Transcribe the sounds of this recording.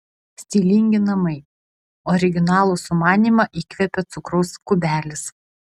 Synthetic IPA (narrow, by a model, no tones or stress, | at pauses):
sʲt̪ʲiːlʲɪŋʲɡʲɪnɐmɐɪ | ɔːɾʲɪɡʲɪnɑːlˠuːsʊmɑːnʲiːˑmɑʔiːkʲʋʲɛpʲɛt̪sʊkɾɔʊskʊbʲæːlʲɪs